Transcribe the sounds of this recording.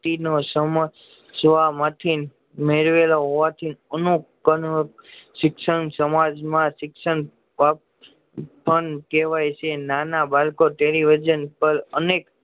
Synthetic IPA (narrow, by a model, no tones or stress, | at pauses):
t̪inosəm | sʋamat̪ʰin | meɾʋelooʋat̪ʰinənũ | ənʃɪkʃənsəmad͡ʒmãsɪksən | a | pənkeʋajt͡ʃʰenanabalkoʈeliʋid͡ʒənpəɾənek